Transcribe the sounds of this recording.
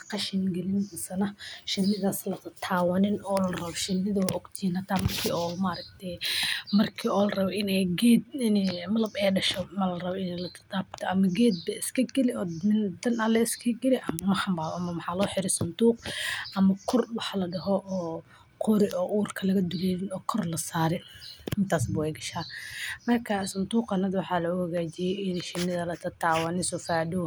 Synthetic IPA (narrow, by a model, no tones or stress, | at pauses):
qɑʃɪnɡɛlɪnsɐnɐʃɪnɪðaːslɐt̪ɐt̪ʰaːwɐnɪnɔːlɐrɐβɔʃɪnːɪðɐwʔɔɡt̪ʰiːnɐt̪ʰaːmɐrkʰiːɔmaːɾɐkt̪ʰɛmɐrkʰiːɔːlrɐβɔʔɪnɛjɡɛd̪ɪnɛmɐlɐbɛːɖɐʃɔmɐlɐrɐβɔɪnɛlɐt̪ʰɐd̪aːb̚t̪ʰɔʔɐmɐɡɛːd̪̚bɐɪskʰɐɡɛlɪɔːmɪnd̪ɐnɐlɛɪskʰɐɡɛlɪʔɐmɐmɐħɑmbaːβɐmɐmɐħɑːlɔːħɪɾɛsʊnd̪uːqʔɐmɐkʰɔrwɑħlɐɖɐɦɔʔɔː | qʰʊɾɪʔɔːʔuːrkʰɐlɐɣɐd̪ʊlɛːɾɪnɔːkʰɔrlɐsaːɾɛɪnt̪ʰaːs̬bʊwɛjɡɐʃaːmɐrkʰɐsʊnd̪uːqɐnɐd̪wɑħɑːlɐɣʊhɐɣaːt͡ʃɪjɛjɪnʃɪnːɪðɐlɐt̪ʰɐt̪ʰaːwɑnɪsɔfaːʕdɔ